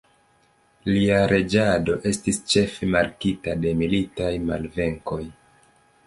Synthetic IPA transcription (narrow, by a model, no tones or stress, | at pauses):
liaɾʔe̞d͡ʒado̞ʔe̞stist͡ʃe̞femaɾkitade̞militajmalve̞ŋko̞j